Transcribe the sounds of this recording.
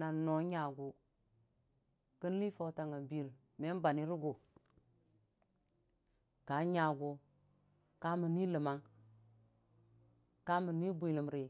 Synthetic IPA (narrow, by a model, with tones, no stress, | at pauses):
na˨no˨˦ɲa˨ɡu˨ | kə˦n˦li˦fa˨˦ta˨ŋa˨bi˨l | me˦ba˨ni˦ɾu˦ɡo˨ | ka˨˦ɲa˨ɡo˦ | ka˦mi˨ni˦lə˨ma˦ŋ | ka˦mi˨ni˦bu˨li˨mɾi˨